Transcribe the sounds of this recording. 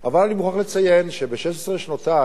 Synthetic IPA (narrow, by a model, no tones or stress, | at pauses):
ʔa̰valanimuχaχlet͡sajenʃebeʃeʃesʁeʃnota